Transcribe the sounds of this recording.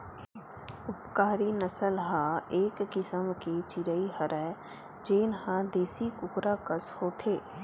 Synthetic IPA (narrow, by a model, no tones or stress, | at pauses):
ʊpkaːɾinəsəlɦãːeːkːɪsəmket͡ʃɪɾəiɦəɾɛ | d͡ʒeːnhãd̪eːsikʊkɾakəshoːt̪ʰeː